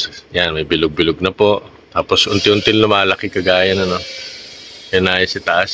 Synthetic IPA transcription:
janmɐjbɪlʊɡ̚bɪlʊɡ̚nɐpo̞ʔ | t̪aːpo̞sʊnt̪ɪʊnt̪ɪnnʊmalɐkɪkɐɡaːjɐnɐno̞ | ɛnaːjɐsɪt̪ɐʔas

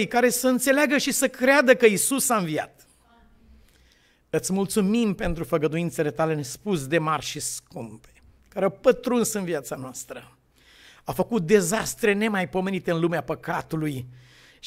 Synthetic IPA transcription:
jkaɾe̞səɨnt̪se̞leaɡəʃisəkɾead̪əkəisusaɨnvija̰t̪ | ɨt̪sʲmult̪sumimpe̞nt̪ɾufəɡəd̪uint̪se̞le̞t̪ale̞nespus̬d̪e̞marʃiskumpe̥ | kaɾeawpət̪ɾunsɨnviat̪sanoast̪ɾə | afəkut̪̚d̪e̞zast̪ɾe̞ne̞majpo̞me̞nit̪eɨnlumeapəkat̪uluj

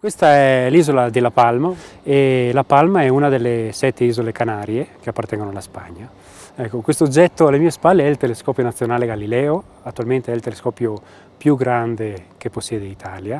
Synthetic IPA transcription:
kwest̪aɛliːzolad̪elapalmaelapalmaɛunad̪elːesɛt̪ːeiːzolekanaːɾjek̟eapːart̪ɛŋɡonoalaspa̰ɲːa | ɛkːokwest̪od͡ʒɛt̪ːoalemiːespalːeɛilt̪eleskɔːpjonat̪sːjonaːleɡalilɛːo | at̪ːualment̪eɛilt̪eleskɔːpjo | pjuɡɾand̪ekepːosːjɛːd̪eit̪ʰaːlja

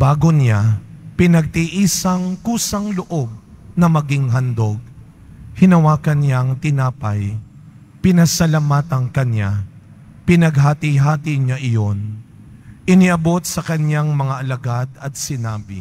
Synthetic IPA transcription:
baːɡonapɪnɐɡ̚t̪iʔisɐŋkuːsɐŋlʊʔo̞b̚nɐmɐɡiŋɦɐnd̪o̞ɡ̚ | hɪnɐwaːkɐnjaŋt̪ɪnaːpɐj | pɪnɐsɐlamaːt̪ɐŋkɐɲa | pɪnɐɡɦaːt̪ɪɦaːt̪iɲaʔɪjo̞n | pɪnɪʔɐbo̞t̪̚sɐkɐɲjaŋmɐŋaʔɐlɐɡad̪ɐt̪̚sɪnaːbɪ̰

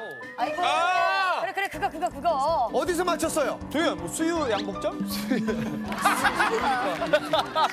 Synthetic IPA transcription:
aiaɯɾekɯɾekɯɡʌkɯɡʌkɯɡʌʌdis̬ʰʌmat͡ɕʰʌs͈ʌjoteemʌsʰujujaŋbok̚t͡ɕ͈ʌmsʰujʰ

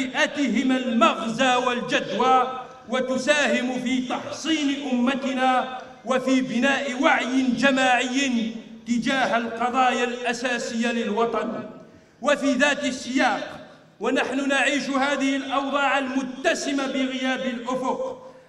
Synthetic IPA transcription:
ʔat̪ɪɦɪmalmɑɣzaːwald͡ʒad̪waː | wat̪ʊsaːhɪmʊfiːt̪ɑħsˤiːnʔʊmːat̪ɪnaː | wafiːbɪnaːʔɪwaʕjɪnd͡ʒamaːʕɪjːɪt̪ɪd͡ʒaːɦalqɑðˤɑːjalʔasaːsɪjːalɪlwɑt̪ˤɑn | wafiːðaːt̪asːɪjaːq | wanaħnʊnaʕiːʃhaːðɪhɪlʔɑwd̪ˤɑːʕalmʊt̪ːasɪmabɪɣɪjaːbaɪlʔʊfʊq

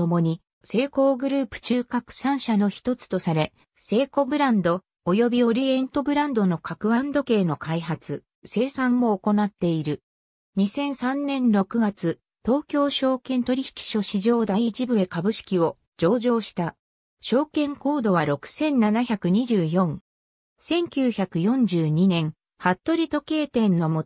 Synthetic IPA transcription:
omo̞ɲ̟i | se̞ːko̞ːɡɯ̟ɾɯ̟ːpɯ̟̥t͡ɕɨːkakɯ̟̥sãɰ̃ɕano̞çi̥t̪o̞t͡sɨ̥t̪o̞saɾe̞ | se̞ːko̞bɯ̟ɾãnd̪o̞ː | jo̞bʲio̞ɾʲiẽ̞nt̪o̞bɯ̟ɾãnd̪o̞no̞kakɯ̟ɡãnd̪o̞ke̞ːno̞kaiɦat͡sɨ | se̞ːsãmmo̞ːko̞nat̪ːe̞iɾɯ̟ | ɲ̟isẽ̞ɰ̃sãnːẽ̞nɾo̞kɯ̟ɡat͡sɨ | t̪o̞ːkʲo̞ːɕo̞ːkẽ̞nt̪o̞ɾʲiçi̥kʲi̥ɕo̞ɕiʑo̞ːd̪ait͡ɕibɯ̟e̞kabɯ̟ɕi̥kʲio̞ | d͡ʑo̞ːʑo̞ːɕi̥t̪a | ɕo̞ːkẽ̞ŋko̞ːd̪o̞β̞aɾo̞kɯ̟̥sẽ̞nnanaçakɯ̟ɲ̟id͡ʑɨːjõ̞ŋ | sẽ̞ŋkʲɨːçakɯ̟jõ̞ɲ̟d͡ʑɨːɲ̟inẽ̞ŋ | hat̪ːo̞ɾʲit̪o̞ke̞ːt̪ẽ̞nːo̞mo

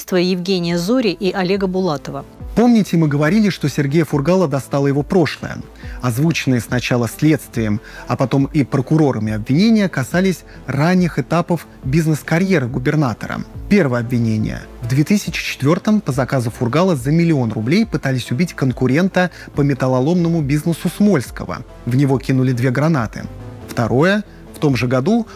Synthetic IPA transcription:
st̪vəjɪvɡʲenʲɪjəzuɾʲɪʔiʔɐlʲeɡəbʊlˠat̪əvəpo̞mnʲɪtʲɪmɨɡəvɐɾʲilʲɪʂt̪o̞sʲɪrɡʲejəfʊrɡalˠəd̪ɐst̪alˠəjɪvo̞pɾo̞ʂlˠə̰jə̰ | ɐzvut͡ɕɪnːɨjəsnɐt͡ɕalˠəsʲlʲet̪st̪vʲɪjɪmɐpɐt̪o̞mipɾəkʊɾo̞ɾəmʲɪɐbvʲɪnʲenʲɪjəkɐsalʲɪsʲ | ranʲːɪxɨt̪apəf | bʲiznəskɐɾʲje̞ɾɨɡʊbʲɪrnat̪ə̰ɾə̰pʲe̞rvəjəɐbvʲɪnʲenʲɪ̰jə̰vd̪vʲet̪ɨsʲɪt͡ɕɪ̥t͡ɕɪ̥t̪vʲo̞rt̪əmpəzɐkazʊfʊrɡalˠəzəmʲɪlʲɪo̞nrʊblʲejpɨt̪alʲɪsʲʊbʲitʲkənkʊɾʲe̞nt̪ə | pəmʲɪt̪ɐlˠɐlˠo̞mnəmʊbʲiznəsʊsmo̞lʲskəvə̰ | vnʲɪvo̞kʲinʊlʲɪd̪vʲe̞ɡɾɐnat̪ɨ̰ft̪ɐɾo̞jə | ft̪o̞mʐɨɡɐd̪u

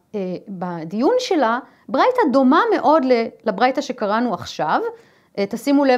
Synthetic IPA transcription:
ebad̪ijunʃe̞la | bʁajtado̞mame̞ʔo̞d̪lelabʁajtaʃe̞kaʁanuaχʃav | ʔt̪asimule

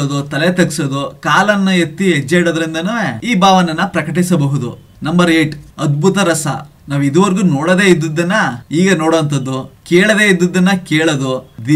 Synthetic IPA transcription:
ɐd̪ut̪ɐlet̪ɐksɐd̪ukaːlɐnːɐet̪ːiɦed͡ʒːeiɽoːd̪ɐɾind̪ɐnɐiːbaːʋɐnɐnːɐpɾɐkɐʈ̬isɐbɐɦud̪ṵ | nɐmbɐɾeːʈɐd̪̚bʱut̪ɐɾɐsɐ̰ | naːʋid̪uʋɐɾɡunoːɽɐd̪eːid̪ːud̪ːɐnːɐiːɡɐnoːɽoːɐnt̪̬ɐd̪ːukeːɭɐd̪e̞ːid̪ud̪ːɐnːɐkeːɭɐd̪ud̪i

